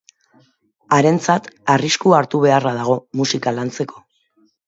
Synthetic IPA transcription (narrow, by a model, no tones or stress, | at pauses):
aɾe̞nt͡sat̪ariskuaɾt̪uβ̞e̞arað̞aɣ̞o̞musikalant͡se̞kʰo̞̥